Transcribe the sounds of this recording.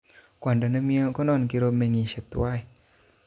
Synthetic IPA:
kːnda˧˨na˧˦mi˧ə˧kɔ˦nɔ˧˨nki˧ɾo˧p̚mɛ˧˨ŋi˧˨se˨˧˩t̪ːṵ˧a˧˨j

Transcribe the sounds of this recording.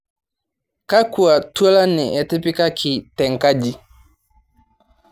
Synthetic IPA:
ka˦ku˨a˨tu˦a˦la˦ni˨ʔɛ˨ti˦pi˦ka˦kʰi˨tɛ˨ŋ˨ka˦d͡ʒi˨

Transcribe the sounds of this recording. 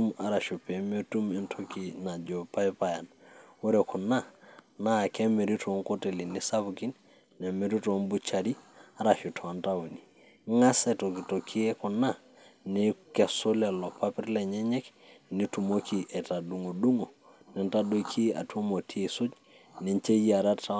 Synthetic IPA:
tu˦ma˨ɾa˨ʃu˨pe˨mo˦tu˦mɪ˦ntʰo˦ki˨na˨d͡ʒo˨pa˦jpa˦ja˨nwo˦ɾɛ˨kʰʊ˨na˦na˦˨kɛ˦me˨ɾi˦to˨˦ŋko˦te˨li˨nɪ˦sa˦bki˦n | nɛ˨me˦ɾi˦to˨˦nbu˦t͡ʃa˨ɾi˦a˦ɾa˨ʃu˨tʰɔ˨nta˦wo˨ni˨ | ŋa˦sɛ˨to˨ki˨to˨kʰi˦e˦kʊ˨na˦˨ | nɪ˦kɛ˨sʊ˦lɛ˨lɔ˨pa˦pɪ˦ɾlɛ˨ɲɛ˦ɲɛ˦knɪ˦tu˨mo˦kʰi˨ʔɛ˨ta˨du˨ŋo˨du˦ŋo˨ | nɪ˨nta˦do˦kʰi˦a̰˨tu˦mo˨tʰi˦e˨sʊ˦t͡ʃ | ne˨ɲt͡ʃe˦ja˨ɾa˦ta˦

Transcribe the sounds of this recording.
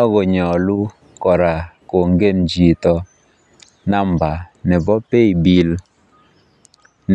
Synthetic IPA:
ɔ˦ɡɔ˨ɲɔ˨lu˦ | kɔ˨ɾa˨ko˨ŋɡe˦˨nd͡ʒi˨t̪ɔ˨ | na˦mba˨nɛ˨bɔ˦pe˦i˨bi˨l | n

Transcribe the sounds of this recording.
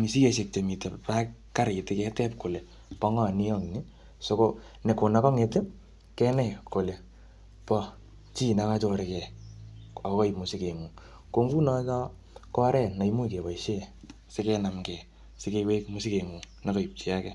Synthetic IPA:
mi˨si˦ke˨s̬e˨k̚t͡ʃe˨mi˨te˨pa˦k | ka˦ɾtɪ˦kɛ˦tɛ˦p̚ko˨le˨ | pɔ˧˦ŋɔ˦˨ni˦ɔ˦ŋ˨ni˦ | so˧ko˦ | nɛ˨ko˨na˦kɔ˦ŋe˨te˦ | kɛ˦nɛ˨ko˨le˨ | pɔ˧ | t͡ʃi˦na˨ka˦t͡ʃɔ˦ɾekɛ˨ | ɔ˨kkɔ˦ipmu˨si˦ke˨ŋu˨ | ko˧ŋɡu˦nɔ˧t͡ʃɔ˦ | kɔ˦ɾɛ˨na˨imu˦ike˨wa˨iʃe˦ | se˦kɛ˧na˨mkɛ˨ | se˦ke˧we˦kmu˦si˦ke˨ŋu˨ | na˦kɔ˨i˨p̚t͡ʃi˨a˦kɛ˨

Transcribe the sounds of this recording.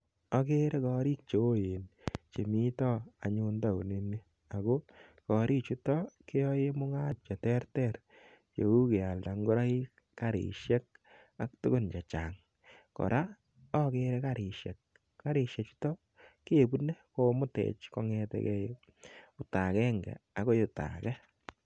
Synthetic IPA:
ɔ˦ke˦ɾe˦kɔ˧ɾi˦k̚t͡ʃo˨˦je˨nt͡ʃe˨mi˦tɔ˦a˨ɲʊ˧nda˦˨u˨ne˦ne˦ | a˨ko˦kɔ˨ɾʔi˦t͡ʃu˦tɔ˦ke˦ɔ˦je˦mʊ˦ŋa˦tt͡ʃɛ˨tɛ˦ɾtɛ˨ɾ | t͡ʃḛ˨u˦ke˨a˨lda˨ŋɡo˦ɾa˦i˦ | ka˨ɾḭ˨ʃjɛ˦k̚ | a˨k̚tʊ˦kʊ˦˨nt͡ʃa˨t͡ʃa̰ː˨ŋ | kɔ̰˨ɾʔa˦ | ɔ˦ke˦ɾɛ˦ka˨ɾɪ˨ʃjɛ̰˨k̚ | ka˦ɾɪ˨ʃɛ˨t͡ʃu̥˦tɔ˦ | ke˨bu˦nɛ˦ko˦mʊ˦tɛ̰˨t͡ʃkɔ˦ŋɛ˦tɛ̰˦kɛ˦j | ʊ˦ta˨kɛ˦ŋɡɛ̰˨a˨ko˦jʊ˨ta̰˨kɛ˦

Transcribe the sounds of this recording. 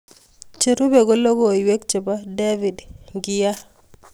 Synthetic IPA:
t͡ʃe˨ɾu˦be˨ɡɔ˦lo˦ɡo˨jwe˦k̚t͡ʃe˨ba˦de˦vi˨dŋɡija˦

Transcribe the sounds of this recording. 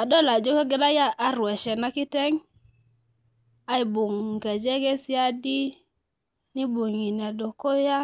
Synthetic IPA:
a˨do˦la˨d͡ʒo˦ke˦ɡe˦ɾa˦ja˦a˦ɾwɛ˨ʃɛ˨na˦ki˦tɛ˦ŋ | a˦i˨bu˨ŋka˨d͡ʒe˦ɡe˦si˦a˦di˦ | ni˦bu˨ŋi˨ni˨a˨do˨ko˦ja˦

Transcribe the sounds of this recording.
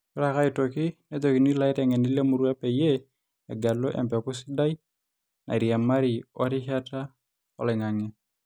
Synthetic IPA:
kʊ˦ɾaka˦ɪtokɪ˦netoki˨ni˦la˨ɪɾɛ˨ŋɛ˨ni˦le˦mu˦ɾua˦pɛ˨je | ɛ˨ɡa˨lo˦ʔɛ̰˨mpɛ˨kʊ˦sɪ˦da˦j | na̰˨ɾi˨a˨ma˦ɾɪ˨ɔ˦ɾɪ˦ha˦ta˦ | ɔ̰˨lɪ˨ŋa˨ŋɛ˨

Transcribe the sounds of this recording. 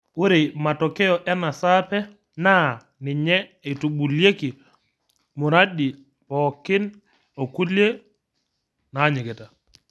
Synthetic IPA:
wu˦ɾema˨tɔkɛ˦jɔʔɛ˦na˨sapɛ | na˦ | ni˨ɲɛɛtu˨ɓu˨lje˦ki˨ | mu˨ɾadi˨ | pɔkːi˦n | o˨ku˦lje | naɲi˨ɡɛ˨ta˨

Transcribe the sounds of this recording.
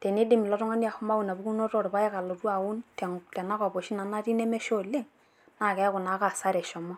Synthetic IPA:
tɛ˨ne˦dɪ˦mɪ˨lɔ˦tɔ˦ŋa˦nja˨hʊ˦ma˦u˨na˨bu˦ku˦no˦to˨ɾpa˦ɛ˦ka˨lo˨tu˦a˨wʊ˦ntɛ˨ŋtɛ˨na˦kɔ˨bo˨ʃi˦na˨na˦ti˦nɛ˦mɛ˦ʃo˦le˦ŋ | na˦˨kɛ˨˦kʊ˨na˨˦ka˨sa˦ɾɛ˨ʃɔ˨mɔ˦

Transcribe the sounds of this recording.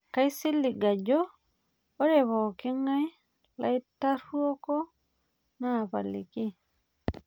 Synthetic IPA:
ka˦jsi˦lːi˨ɡa˨d͡ʒoː˦ | ɾe˨βo˨ki˦ŋa˦j | lajta˦ɾuo˦ko˦ | napa˨li˨ki˦

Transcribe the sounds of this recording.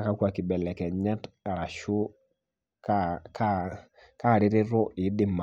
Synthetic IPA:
ka˦kwa˨kɪ˨bɛ˨lɛ˨kɛ˨ɲa˦t | a˨ɾa˨ʃʊ˦ | kaka | ka˦˨ɾɪ˦ɾɪ˦ɾɔ˦ʔɪ˨˦dɪ˦˨ma˨

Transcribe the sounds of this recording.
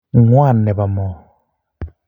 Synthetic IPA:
ŋwa˦˨nːɛ˨βa˨mɔ˨

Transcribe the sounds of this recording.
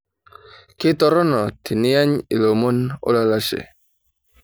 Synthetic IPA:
kɪ˦tɔ˦ɾɔ˦nɔ˨tʰi˨nɪ˦ja˦ɲḭ˨lo˨mo˦no̰˦la˦˨la˦ʃḛ˨

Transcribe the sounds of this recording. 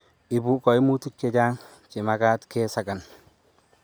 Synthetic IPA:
ɪ˨bu˦kɔ˨jmu˦tu˦k̚t͡ʃe˨ɟaː˦ŋ | t͡ʃɪ˨ma˨kaː˦tkeː˦sa˨ɡa˨n

